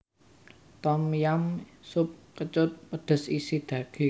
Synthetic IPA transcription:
t̪ɔmjamsʊp̚kət͡ʃʊt̪̚pəɖ̪̥ə̤sisid̪̥ä̤ɡ̥i

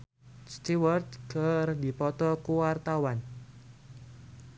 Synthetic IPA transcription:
st̪iwərt̪̚kərd̪i̤pɔt̪ɔkuwart̪awan

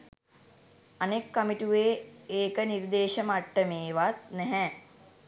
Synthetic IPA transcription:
anekːamiʈuʋeːeːkəniɾd̪eːʃəmaʈːəmeːʋat̪̚nɛɦɛ

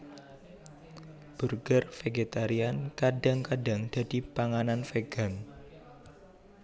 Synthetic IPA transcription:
b̥urɡərfeɡet̪aɾiankadaŋkadaŋd̥a̤d̥i̤paŋananfeɡ̥an

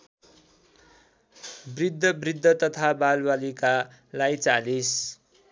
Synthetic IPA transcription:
brid̪ʱːʌbrid̪ʱːʌt̪ʌt̪ʰabalbalika | lajt͡salis

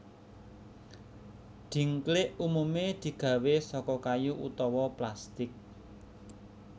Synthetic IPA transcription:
d̪̥i̤ŋklɪʔumumed̪̥i̤ɡ̥ä̤wesɔkɔkajuʔut̪ɔwɔplast̪ɪk̚

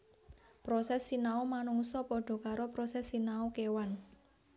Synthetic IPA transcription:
pɾɔsɛsːinaomanuŋsɔpɔɖ̥ɔ̤kaɾɔpɾɔsɛsːinaokewan

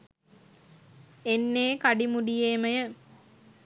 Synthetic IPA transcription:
enːeːkaɖimuɖijeːməjə

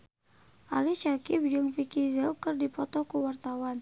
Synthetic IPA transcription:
ʔa̰lit͡ʃakip̚d͡ʒɨŋfikizɛlkərdipɔt̪ɔkuwart̪awan

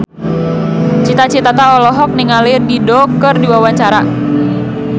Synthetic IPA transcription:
t͡ʃit̪at͡ʃit̪at̪aɔlɔɦɔk̚niŋalɪrdidɔkɨrdiwawaɲt͡ʃaɾa

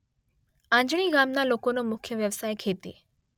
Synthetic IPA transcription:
ãɲd͡ʑɽ̃iːɡaːmnalokonomʊkʰjəʋjəʋsaːjkʰeːt̪ḭː

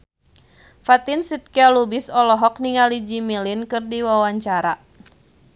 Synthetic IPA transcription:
fat̪insit̪̚kialubisɔlɔɦɔk̚niŋalid͡ʒimilinkɨrdiwawaɲt͡ʃaɾa

